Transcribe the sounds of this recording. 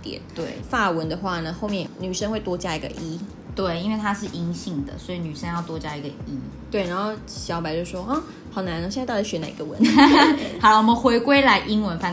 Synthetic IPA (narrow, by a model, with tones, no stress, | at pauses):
t̪jɛ̰˨˩˦nt̪we˥˩ɪfa˥˩wə˧˦nd̪ə˨xwa˥˩nə˩xo˥˧ʊmjɛ˥˩nny˨˩ʂə˥nwe˥˩ɪt̪wɔ˥t͡ɕja˥˩i˧˥ɡə̰˧ʔi˦˥ | t̪we˥˩ɪi˥nwe˥˩ɪt̪ʰa˥ʂɻ̩˥˨ʔi˧˥ŋɕi˥˩ŋd̪ə̰˩swɔ˧˥i˨˧˦ny˨˩ʂə˥˦˥njɑ˥˩ʊt̪wɔ˥t͡ɕja˥˧i˧ɡə˨i˦t̪we˥˩ɪna˧˥ŋxo˥˩ʊɕjɑ˧˥pa˧ɪt͡ɕjo˥˧ʊʂwɔ˥ʔɐ˥˩ | xɑ˨˩ʊna˧˥nə˧ɕt̪t͡ɕʰi˧˥˩ɕɥɛ˧˥na˨˩˨i˧ɡə˧˩wə̰˧˦n | hɑ˨˦lwɔ˨mə˨nxwe˧˥ɪkwe˥ɪla˧˥ɪʔi˦˥ŋwə˧˦nfa˥˩